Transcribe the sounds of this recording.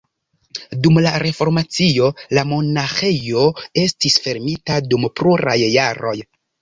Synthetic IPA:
dumlaɾe̞fo̞ɾmat͡sio̞lamo̞naxe̞jo̞e̞stisfe̞ɾmitadumpɾuɾa̰jːaɾo̞j

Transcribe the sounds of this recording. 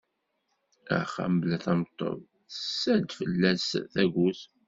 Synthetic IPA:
æ̰χæ̰mblæθæmt̪ˤːo̰v | sːæd̪fəlːæsθæʝus

